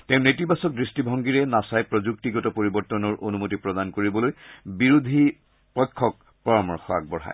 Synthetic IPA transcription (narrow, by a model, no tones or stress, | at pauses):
teʊ̃netibasɔk̚dɹistibʱɔŋɡiɹɛnasajpɹɔzuktiɡɔtɔpoɹibɔɹtɔnɔɹʔonumotipɹɔdankoɹibɔlojbiɹud̪ʱi | pɔjkʰːɔk̚ | pɔɹamɔɹxɔa̰ɡ̚bɔɹa̰j